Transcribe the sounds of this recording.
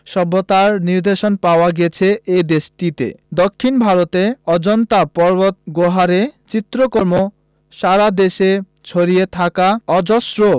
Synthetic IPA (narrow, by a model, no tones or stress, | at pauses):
ʃɔbːot̪aɾniɾd̪eʃonpaoaɡɛt͡ɕʰeʔed̪eʃʈit̪ḛd̪okʰːinbʱaɾot̪eɔd͡ʑɔnt̪apɔɾbot̪̚ɡoɦaɾet͡ɕit̪ːɾokoɾmo | ʃaɾad̪eʃe | t͡ɕʰoɾijet̪ʰakaɔd͡ʑosɾo